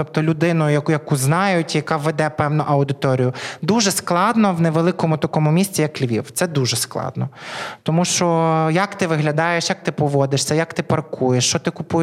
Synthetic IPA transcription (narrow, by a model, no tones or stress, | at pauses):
t̪ɔp̚t̪ɔlʲʊd̪ɪnʊjʊjɐjɐkuznɑjʊtʲjɐkɑʋːed̪ɛpɛwnʊʔɐwd̪ɪt̪ɔɾʲijʊd̪uʒɛsklˠɑd̪nɔwneʋelˠɪkɔmʊt̪ɐkɔmʊmʲisʲt͡sʲijɐklʲʋʲḭwt̪sɛd̪uʒɛsklˠɑ̰d̪nɔt̪ɔmuʃt͡ʃɔjɐkt̪ɪʋɪɦlʲɐd̪ɑjeʃjɐk̚t̪ɪpɔʋɔd̪ɪʃsʲɐjɐkt̪ɪpɐrkʰujeʃt͡ʃɔt̪ɪkʊpu